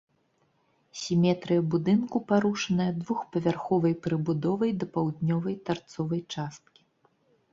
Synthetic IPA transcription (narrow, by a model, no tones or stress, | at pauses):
sʲimʲɛt̪ɾɨjɐbud̪ɨnkupaɾuʂɐnɐjɐd̪vuxpɐvʲarxɔvɐjpɾɨbud̪ɔvɐjd̪ɐpawd̪nʲɔvɐjt̪art̪sɔvɐjt͡ʂast̪̚kʲi̥